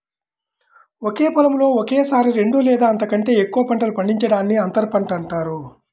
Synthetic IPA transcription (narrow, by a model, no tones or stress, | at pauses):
okeːpɐlɐmlo̞ːokeːsaːɾiɾe̞ɳɖulɛːd̪aːɐnt̪̬ɐkɐɳʈe̞ːekːuʋɐpɐɳʈɐlupɐɳɖiɲt͡ʃɐɽaːnːiɐnt̪ɐɾpɐɳʈɐɳʈaːɾu